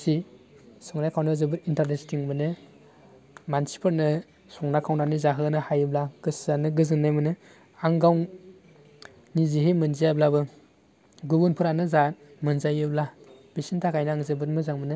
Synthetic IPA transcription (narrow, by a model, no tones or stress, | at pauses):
si | sɯŋnajkʰawndɯzɯbɯɾintaɾnestiŋmɯnɯ | mansi̥pʰɯɾnɯ | sɔŋnakʰawndanizaɦɯnɯhajɯblaɡ̥ɯszanɯɡɯzɯnːajmɯnɯ | aŋɡaw | niziɦemɯnzijablabɯ | ɡubunpʰɯɾanɯzamɯnzajɯblab̥isintʰakʰajnɯaŋzɯbɯt̚mɯzaŋmɯnɯ